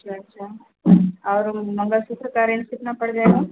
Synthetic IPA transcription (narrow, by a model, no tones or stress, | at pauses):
ɐtːt͡ʃʰaɐtːʃʰa | ɔːɾmɐ̃ŋɡəlsukɾəkaːɾẽnsɪt̪napɐɽd͡ʒaeɡaː